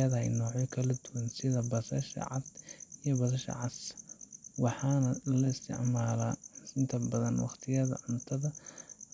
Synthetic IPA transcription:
ɐðɐhɛjnɔːʕjɪkʰɐlɐd̪ʊwɐnsɪðɐbɐsɐ̰ʃɐ̰ʕɑ̰d̪ijɔbɐsɐʃɐ̰ʕɑs | wɑħɑːnɐlɐɪst̪ʰɪ̰ʕmaːlaːɪnt̪ʰɐbɐðɐnwɑ̰qt̪ʰɪjɐðɐ̰ʕʊnt̪ʰɐðɐ

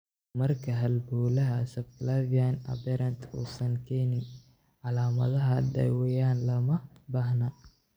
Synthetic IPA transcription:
mɐrkʰɐɦɐlbuːlɐɦɐsɐbklavianɐ̰bɛɾɐnt̪ʰṵːsɐŋkʰɛːnɪn | ʕɑlaːmɐ̰ðɐɦɐɖɛ̰wɛjaːnlɐmɐbaːhnɐ

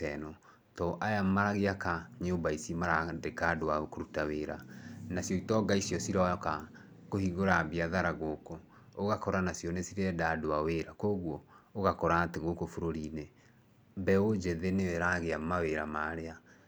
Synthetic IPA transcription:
ɛnɔ | tɔʔajamaɾaɣeakaɲombaisimaɾadekadoaokoɾutaweɾanasjɔitɔɡaisiɔsiɾaka | kohiɡoɾabiaðaɾaɣoko | oɣakɔɾanasjɔnesiɾɛdadoaweɾakoːɣwɔoɣakɔɾateɣokofoɾoɾine | bɛod͡ʒɛðenewɛɾaɣeamaweɾamaːɾea

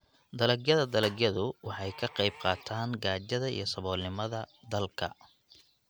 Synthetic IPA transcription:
d̪ɐlɐɡjɐðɐd̪ɐlɐɡjɐðʊwɑħɑjkʰɐqɑjb̚qɑːt̪ʰaːŋɡaːd͡ʒɐðɐḭjɞsɐβɔːlnɪmɐðɐ | d̪ɐlkʰɐ̰

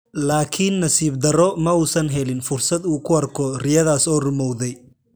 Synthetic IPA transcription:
laːkʰinːɐsiːbd̪ɐɾɔmɐuːsɐnɦɛlɪnfʊrsɐd̪uːkʰʊɐrkʰɔrɪjɐðaːsɔːrʊmɔwðɛj

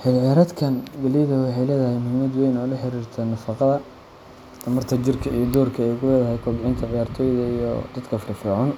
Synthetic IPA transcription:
ħɪlʕaɾɐd̪kʰɐnɡɐlɪjɐðɐwɑħɑjlɛːðɐhɛjmʊhɪmɐd̪wɛjnɐʊlɐħɪɾiːrt̪ʰɐnɐfɑqɑðɐ | t̪ʰɐmɐrt̪ʰɐt͡ʃɪrkʰɐijɔd̪ɔːrkʰɐɛjkʰʊlɛːðɐɦɛjkʰɔːmʕɪnt̪ʰɐʕɪjaːrt̪ʰɔːjðɐijɔ̰d̪̥ɐd̪kʰɐfɪrfɔːʕan

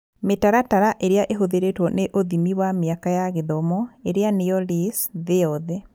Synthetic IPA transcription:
metaɾataɾaʔeɾeaʔeɦoðeɾetwɔneʔoðimiwameakajaɣeðɔmɔeɾeanejɔlisðeɔðɛ

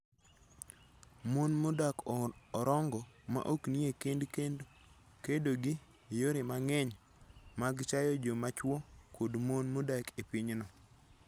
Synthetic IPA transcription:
monmodakːɾɔŋɡɔma̰ʔokniekendkend | kedoɡɪ | joɾemaŋɛɲ | maɡt͡ʃajɔd͡ʒomat͡ʃwɔkʰodmonmodakʰepiɲnɔ

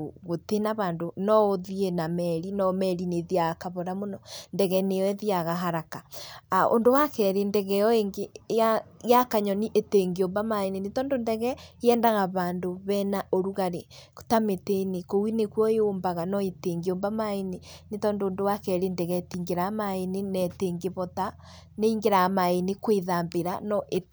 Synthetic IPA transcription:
ɣotenaβaːndonɔðienamɛɾinɔmɛɾineðiaɣakaβoɾamonɔndɛɣɛneɛðiaɣaɦaɾakao̰ndowakɛɾendɛɣɛɔeŋɡeajakaɲɔniʔeteŋɡioːmbamaenenetɔːndondɛɣɛeɛːndaɣaβaːndoβɛnaʔoɾuɣaɾe̥tametenekowinekwɔeoːmbaɣanɔeteːŋɡeoːmbamaenenetɔːndoːndowakɛɾendɛɣɛtiːŋɡeɾamaenenɛteŋɡeβɔta | neiŋɡeɾaːmaenekweðaːmbeɾanɔʔe

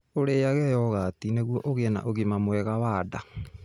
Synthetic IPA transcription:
oɾejaɣɛjɔɣaːtineɣwɔʔoɣeɛna̰ʔoɣemamwɛɣawaːda

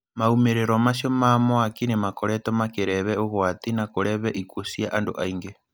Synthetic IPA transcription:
maumeɾeɾomasjomamoakinemakoɾɛtomakeɾɛβɛoɣwatinakoɾɛβɛʔikwosiaʔando̰ʔaiŋɡe

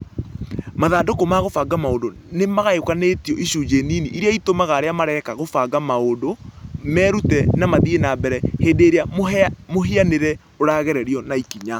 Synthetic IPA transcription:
maðaːndokomaɣofaːɡamaodo | nemaɣaeokanetiɔʔiɕuːd͡ʒeniniʔiɾiaitomaɣaːɾeamaɾɛkaɣofaɡamaodomɛːɾutɛnamaðienabɛɾɛheːdeɾeamoɦeaneɾɛ | oɾaːɣɛɾɛɾiɔnaikiɲa

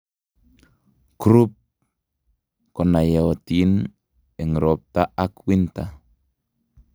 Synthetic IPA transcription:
kɾup̚ | kɔnajaɔt̪in | ɛŋɾɔp̚t̪aʔakwint̪a

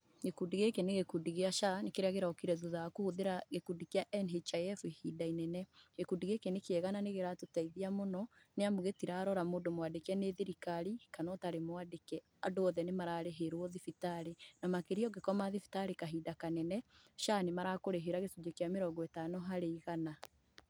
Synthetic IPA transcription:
ɡekudiɣekeneɣekudiɣeaʃanekeɾeaɣeɾaɔkiɾɛðuðakohuðeɾaɣekudikeaʔɛnɦet͡ʃajɛfihidainɛnɛɣekudiɣekenekeɛɣananeɣeɾatotaiðiamonɔ | neamoɣetiɾaːɾɔɾamoːndomwadekeaneðiɾikaɾikanɔtaɾemwadekɛ | adoɔðɛnemaɾaːɾeɦeɾwoðifitaɾenamakeɾiɔɡekɔmaðifi̥taɾekaɦidakanɛnɛʃanemaɾakoɾeɦeɾaɣesud͡ʒekeameɾɔɡɔetanɔɦaɾeiɣana

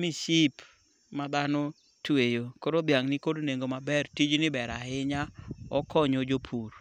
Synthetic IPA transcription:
miʃip | mad̪ano | twejokoɾobjaŋnɪkodneŋɡomabɛrtid͡ʒnɪbɛɾaɦɪɲaɔkɔɲɔd͡ʒopʰuɾ

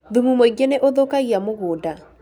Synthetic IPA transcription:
ðumumoiɡeneʔoðokaiamoɣoːda

